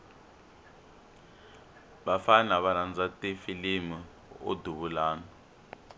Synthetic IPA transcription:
βafanaβaɾand͡zatifilimi | o̰duβulaːnɔ

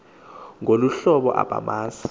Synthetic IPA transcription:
ŋoluɬɔɓɔ̰ʔa̰b̥ʱa̰maːsḁ

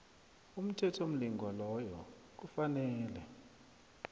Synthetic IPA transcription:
um̩tʰɛtʰom̩liŋɡʱwalɔjɔ̰ | k̬ufanɛːlɛ

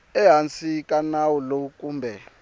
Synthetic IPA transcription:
ɛɦant͡sʼikʼanawulokʼuːmbʱɛ

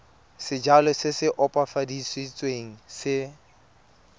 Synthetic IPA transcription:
sɪd͡ʒalɔsɪsɪʔɔpʼafadiswit͡sʼweŋ̩sɪ

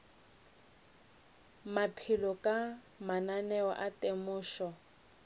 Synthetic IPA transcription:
mapʰilɔkʼa | mananɛwɔ̰ʔatʼemʊːʃɔ

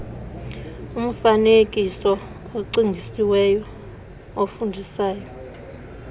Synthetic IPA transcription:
um̩fanekʼisɔ | oǀiŋɡʱisiwɛjɔ | ofundʱisaːjɔ

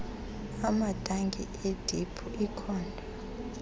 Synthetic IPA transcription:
amad̥ʱaŋɡʱḭʔed̥ʱipʰuʔikʰaːndʱḁ

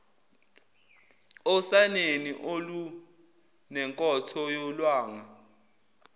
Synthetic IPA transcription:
ɔsaneniʔolu | nɛŋkʼɔtʰɔjɔlwaːŋa

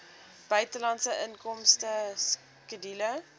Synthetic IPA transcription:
b̥œɥtəlɐntsəʔənkɔmstəs | kədilə

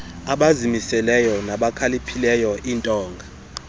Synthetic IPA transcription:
aɓazimisɛlɛjɔnaɓakʰalipʰilɛjɔʔiːntʼɔːŋɡʱa

